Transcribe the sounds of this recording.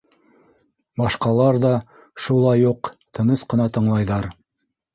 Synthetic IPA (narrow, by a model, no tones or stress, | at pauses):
bɑʃqɑlˠɑɾðɑ | ʃulˠɑjuqt̪ɤ̆nɤsqɤ̆nɑt̪ɤ̆ɴlˠɑjðɑɾ